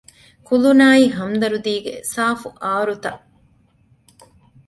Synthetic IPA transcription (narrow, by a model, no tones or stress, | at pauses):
kulunaːiːɦɐmd̪ɐɾud̪iːɡḛsaːfuʔaːɾut̪ɐʔ